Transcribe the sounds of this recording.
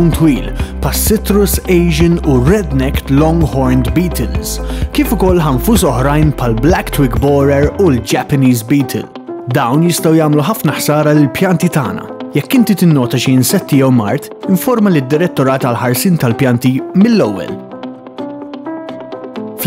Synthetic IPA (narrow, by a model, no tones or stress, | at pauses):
nt̪wiːlpʰɐsːɪt̪ɾʊsɛjʒɪnuɾɛd̪nɛkt̪lɔ̃ŋɡħɔɾnd̪biːt̪ʰɪlskiːfʊkɔlːħɐɱfuːsɔħɾɐjnpʰħɐlblɛkt̪wɪkbɔɾɛɾuld͡ʒɛpɐniːzbiːt̪ʰɪ̰l | d̪ɐwnjɪst̪ɐwjɐːmluħɐfnɐħsɐːɾɐlɪlpjɐnt̪it̪ɐ̰ːnɐ̰jɛkːɪnt̪it̪ɪnːɔːt̪ɐʃiɪnsɛt̪ːɪjɛwmɐɾt̪ɪɱfɔɾmɐlid̪ːɪɾɛt̪ːɔɾɐːt̪ɐlħɐɾsɪːnt̪ɐlpjɐnt̪imɪlːɛwːɛ̰l | f